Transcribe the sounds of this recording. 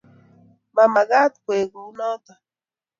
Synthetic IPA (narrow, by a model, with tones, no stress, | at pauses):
ma˨ma˨ɣa˦t̪kʷe˨ɡu˨no˦t̪a˨